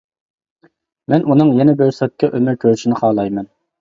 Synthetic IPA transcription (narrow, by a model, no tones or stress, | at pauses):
mɛnunɨŋjɛnɛbøɾsɛt̪̚kʲːɛʔømyɾkʲʰøɾʃinɪχʰɑːlˠɑjmɛn